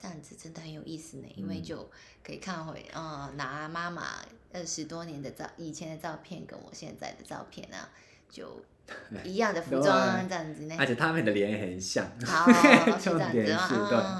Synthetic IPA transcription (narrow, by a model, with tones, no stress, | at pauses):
ta˥˩nt͡sɹ̩˨˩ʈ͡ʂə˥nd̪ə˨hə˧˦njo˨˩ʊi˥˩sɹ̩˨˩nḛ˨˩˦ʔi˥nwe˥˧ɪt͡ɕjo˥˩ʊ | kʰə˧˥ḭ˨˩kʰa˥˩nxwḛ˨˩ɪʔə˧na˧˥ma˥ma̰˨˩ə˥˩ʂɻ̩˧˥t̪wɔ˥njɛ˧˥nd̪ə˨t͡sɑ̰˥˩ʊʔi˨˩t͡ɕʰjɛ˧˥nd̪ə˨t͡sɑ˥˧ʊpʰjɛ˥˩nkə̰˥nwɔ̰˨˩ɕjɛ̰˥˧nt͡sa̰˥˩ɪd̪ə˩t͡sɑ̰˥˧ʊpʰjɛ̰˥˩nɐ̰˦ | t͡ɕjo̰˥˩ʊ | i˧˥jɑ˥˩ŋd̪ə˩fu˧o˥a˥˧nt͡sa˥˩n˨˩t͡sne˧ə˦˥t͡ɕʰjɛ˨˩t̪ʰa˥mə˨nd̪ə˩ljɛ˧˦n˨˩xə˨˩nɕjɑ˥˨˩ŋxa˨˦˥ | ə˨˩t̪jɛ˨˦ə˧˩˥i˥˧t̪we˥˩ɪ